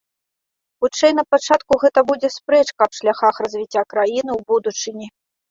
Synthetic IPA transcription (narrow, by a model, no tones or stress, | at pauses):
xut͡ʂɛjn̪ɐpat͡ʂat̪kuɣɛt̪ɐbud͡zʲɛspɾɛt͡ʂkɐpʂlʲaxaxrɐzʲvʲit͡sʲːakɾajinɨwbud̪ut͡ʂɨnʲi